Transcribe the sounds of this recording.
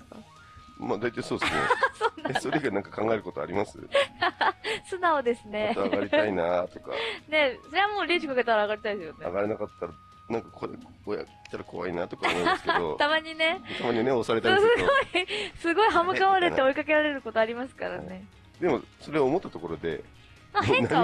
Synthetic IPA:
maːd̪ait̪aiso̞ːd̪esnḛsoːnaso̞ɾe̞ɡanãŋkḁkãŋɡae̞ɾɯ̟ko̞t̪oa̰ɾimasɨ̰ | sɨnao̞d̪e̞sɨne̞t̪aɡaɾʲit̪ainat̪o̞̥ka̰ne̞so̞ɾe̞βamo̞ːɾʲiːt͡ɕikake̞t̪aɾaːɣaɾʲit̪aid̪esɨjone̞a̰ɡaɾenakat̪ːaɾa | nãŋkakʰoɾe | oja̰kt̪ːaɾakʰo̞βa̰inat̪o̞kamõːnskd̪ot̪amaɲ̟ine̞t̪ʰamaɲineosaɾe̞t̪asɨɡo̞isɨɡo̞iɦamɯ̟kaβaɾet̪ːeo̞ikake̞ɾaɾe̞ɾɯ̟ko̞t̪o̞aɾʲimasɨ̥kaɾa̰ne̞ | d̪emo̞soɾeoːmo̞t̪ːat̪o̞ko̞ɾo̞d̪e̞̰ | maeŋnaa

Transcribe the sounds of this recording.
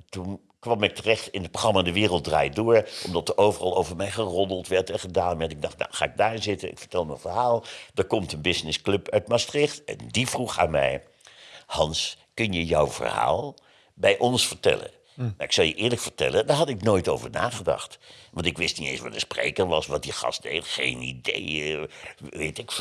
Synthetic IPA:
tun | kʋɑmɪk̚tərɛχtɪnətproχrɑmandəʋɪːrəlˠt̚dra̰ːjdʊːɹʔɔmdɑtəowvərɑlˠowvəɹmɛjχərɔndəlˠtʋɛɹtɛnχədaːnmɛtɪɡ̚dɑχtna̰wχaːɪɡ̚daːɹɪnzɪtənʔɪ̰kfə̥ɹtɛlˠmɛnvəɹɦaːlˠdəɹkɔmtənbɪznɪsklɵpœɥtmastrɪχtɛ̰ndivruχa̰ːnmɛ̰j | hɑnskɵnjəjɔwv̥ə̰rha̰ːlˠ | bɛjʔɔnsfəɹtɛ̰lə̰ | nawɪksɑlˠjəʔɪːɹləkfəɹtɛ̰lədaːɹɦɑtɪknoːjtowvəɹnaːχədɑ̰χtʋɑntɪkʋɪstnitḛjnsʋɑ̰dəsprḛjkəɹʋɑsʋɑt̚dəχɑ̰sdejtχejnḭdḛj | ʋetɪk

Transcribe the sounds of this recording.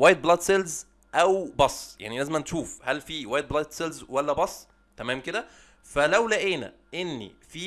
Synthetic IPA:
wæjet̪̚blɑd̪selz | ʔæwbɑsˤːja̰ʕnilæzemæneʃuːfhælfiːwæjtd̪̚blɑd̪selzwælːæbɑsˤː | t̪æmæːmked̪æ | fælæwlæʔeːnæ̰ | ʔenːḭfiː

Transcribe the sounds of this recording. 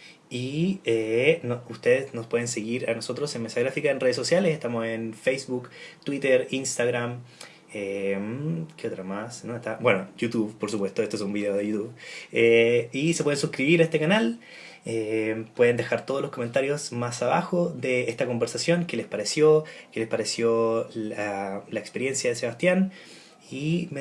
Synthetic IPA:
ienoust̪eðesnospweðenseɣiɾanoso̞t̪ɾo̞senmesaɣɾafikaenreesosjalesest̪amose̞nfejsβukt̪wit̪eɾinst̪aɣɾam | emkeot̪ɾamasnoet̪abwenojut̪uβpoɾsupwe̞st̪o̞et̪oesumbiðeoðejut̪uβeisepwe̞ðensuskɾiβiɾest̪ekanal | epwe̞ðe̞nd̪e̞xaɾt̪o̞ð̞olosko̞me̞nt̪aɾjo̞smasaβaxoðeest̪ako̞mbeɾsasjo̞ŋke̞lespaɾesjokelespaɾesjolalaekspeɾje̞nsjaðese̞βast̪jan | im

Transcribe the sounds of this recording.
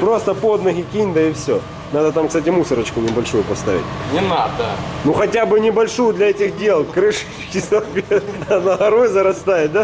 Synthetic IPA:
pɾo̞st̪əpo̞d̪nɐɣʲɪkʲinʲd̪əɪfsʲo | nad̪ət̪amkst̪atʲɪmusəɾət͡ɕkʊnʲɪbɐlʲʂujʊpɐst̪a̰vʲɪ̰tʲnʲɪnad̪ənuxɐtʲabɨnʲɪbɐlʲʂujʊd̪lʲɐɛtʲɪxdʲe̞lˠkɾɨʂ | kʲɪsɐpʲeɐnɐɣɐɾojzɐɾɐst̪ajɪt̪̚ʲd̪a

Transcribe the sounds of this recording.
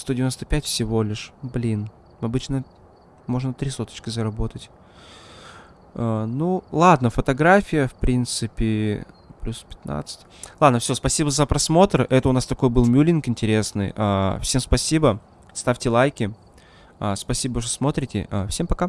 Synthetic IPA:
st̪odʲvʲɪnost̪əpʲætʲfsʲɪvo̞lʲɪʂblʲin | ɐbɨt͡ɕnə | mo̞ʐnət̪ɾʲisot̪ə̥t͡ɕkʲɪzəɾɐbo̞t̪ətʲ | anulˠad̪nəfət̪ɐɡɾafʲɪjəfpɾʲint̪sɨpʲɪ | plʲuspʲɪ̥t̪na̰t̪sɨ̥tʲlˠad̪nəfsʲo̞spɐsʲibəzəpɾɐsmo̞t̪ərɛt̪əʊnast̪ɐko̞jbɨlˠmʲulʲɪnkɪnʲtʲɪɾʲe̞snɨ̰ja̰fsʲe̞mspɐsʲibə | st̪afʲtʲɪlˠajkʲɪ | aspɐsʲibəʂ̬tosmo̞t̪ɾʲɪtʲɪ̰afsʲe̞mpɐka

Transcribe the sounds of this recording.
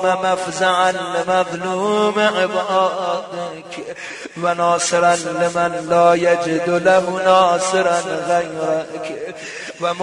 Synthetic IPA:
mamafzaʕanlːɪmaðˤluːmɪʕebʕɑːd̪ɪ | kʲʰ | wanɑːsɪɾanːɪmanlaːjad͡ʒɪd̪ʊlaɦʊnɑːsɪɾanɣajɾakʰ | wam

